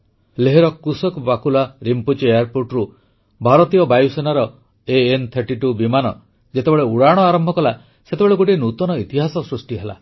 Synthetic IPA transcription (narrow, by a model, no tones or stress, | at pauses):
leɦeɾɔkusɔkbakulaɾimput͡ʃejaɾpoɾʈɾu | bʱaɾɔt̪ijɔbajsenaɾɔ | eːnt̪ʰeɾʈiʈubimanɔ | d͡ʒet̪ebeɭeuɽaɽ̃ɔaɾɔmbʱɔkɔla | set̪ebeɭeɡoʈinut̪ɔnɔit̪iɦasɔsɾusʈiɦela̰